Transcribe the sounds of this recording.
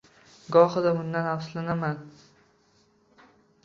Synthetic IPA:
ɡɒhɨd̪aʊnd̪anhafslanaman

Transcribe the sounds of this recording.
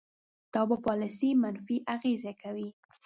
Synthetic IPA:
t̪ɑbapɑlɪsimanfiʔaɣezekʰawi

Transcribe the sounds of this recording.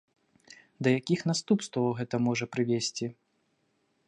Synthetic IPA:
d̪ɐjakʲixn̪ast̪upst̪vɐwɣɛt̪ɐmɔʐɐpɾɨvʲesʲt͡sʲi

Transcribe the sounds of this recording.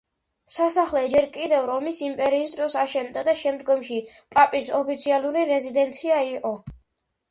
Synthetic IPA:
sasaχlɛd͡ʒɛɾkʼid̪ɛvɾɔmisimpʼɛɾiːsd̪ɾɔsaʃɛnd̪ad̪aʃɛmd̪ɡɔmʃipʼapʼisɔpʰit̪sʰialˠuɾiɾɛzid̪ɛnt̪sʰiaiqʼɔ

